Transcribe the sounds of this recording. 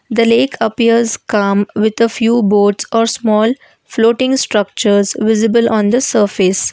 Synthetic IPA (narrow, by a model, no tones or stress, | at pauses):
d̪əleːkʰəpiəɾzkʌ̃mʋɪd̪əfjuːboːʈsɔːɾsmɔːl | floːʈɪ̃ŋsʈɾʌk̚t͡ʃəɾzʋɪzɪbəlʔɔ̃ːnd̪əsəːɾfɪs